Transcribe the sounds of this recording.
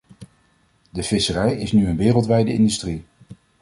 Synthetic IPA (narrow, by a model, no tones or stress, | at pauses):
dəvɪsərɛjɪsnyənʋɪːrəlˠtʋɛjdəɪ̰ndystri